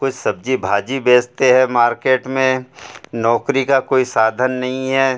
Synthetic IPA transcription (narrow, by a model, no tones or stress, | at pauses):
kʊt͡ʃʰsɐb̚d͡ʒibʱaːd͡ʒibeːst̪eɦɛmaːɾkeːʈmẽnɔːkɾikakoːisaːd̪ʱənːɐɦĩɦɛː